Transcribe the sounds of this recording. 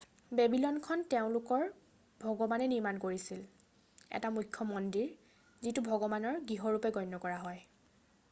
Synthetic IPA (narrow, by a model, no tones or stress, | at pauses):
bebilɔnkʰɔnteʊ̃lʊkɔɹ | bʱɔɡɔbanɛniɹmankoɹisil | ɛ̰tamujkʰːjɔmɔndiɹ | zitubʱɔɡɔbanɔɹɡiɦɔɹupɛɡɔjnːɔkɔɹaɦɔj